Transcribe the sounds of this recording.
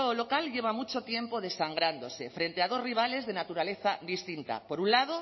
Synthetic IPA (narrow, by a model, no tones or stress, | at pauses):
olo̞kalʝe̞β̞amut͡ʃo̞t̪je̞mpo̞ð̞e̞saŋɡɾand̪o̞se̞fɾe̞nt̪e̞aðo̞zriβ̞ale̞zðe̞nat̪uɾale̞θad̪ist̪int̪a̰po̞ɾunlað̞o̞